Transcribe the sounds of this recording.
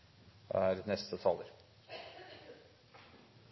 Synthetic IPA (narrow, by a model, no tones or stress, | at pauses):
æɾnɛst̪ət̪ʰɑːləɾ